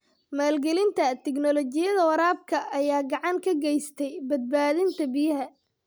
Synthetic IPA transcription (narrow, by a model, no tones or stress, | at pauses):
maːlɡɛlɪnt̪ʰɐt̪ʰɛɡnɔlɔt͡ʃɪjɐðɐwɐɾaːb̚kʰɐʔːjaːɡɑʕɑŋkʰɐɡɛjst̪ʰɛjbɐd̪̚baːðɪnt̪ʰɐbɪjɐɦɐ